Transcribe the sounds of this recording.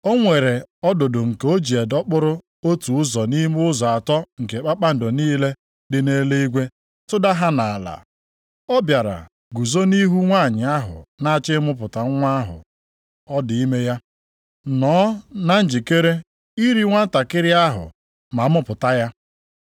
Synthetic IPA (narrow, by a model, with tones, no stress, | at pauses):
o˦ŋʷe˨ɾe˨ɔ˦dʊ˨dʊ˨ŋ̩˨ko˦d͡ʒi˨e˨dɔ˦k͡pʊ˦ɾʊ˦ | o˦tu˨ʊ˦zɔ˨ni˦mʊ˦zɔ˨a˨tɔ˦ŋ̩˨ke˨k͡pa˦k͡pa˦n̩˨do˨niː˦le˦ | dɪ˨ne˦le˦i˦ɡʷe˦ | tʊ˦da˦ɦa˦na˨a˨la̰˨ | ɔ˦bja˨ɾa̰˨ | ɡu˨zo˦ni˦ɦu˦ŋʷa˦˨ɲɪ˨a˦ɦʊ̰˨na˦a˦t͡ʃɪ˦mʊ˦p̬ʊ˨ta˨ŋ˦ŋʷa˦ɦʊ̰˨ | ɔ˦dɪ˨i˦me˦ja˦ | nɔː˨˦na˦n̩˦d͡ʒi˨ke˦ɾe˦ | i˦ɾi˦ŋʷa˦n̩˦ta˨kɪ˦ɾɪ˦a˦ɦʊ̰˨ | ma˨˦mʊ˦pʊ˨ta˦ja˦